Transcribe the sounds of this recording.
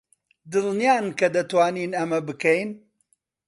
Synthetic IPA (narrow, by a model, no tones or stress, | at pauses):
d̪ɨlˠnijaːnkɐd̪ɐt̪waːniːnɐmɐbɨkɛjn